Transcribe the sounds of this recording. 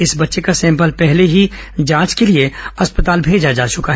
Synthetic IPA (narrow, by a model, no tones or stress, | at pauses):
ɪsbɐtːʃekasɛ̃ːmp̬əlpɛɦleɦi | d͡ʒãːt͡ʃkelieɐspət̪aːlbʱeːd͡ʒad͡ʒaːt͡ʃʊkaɦɛ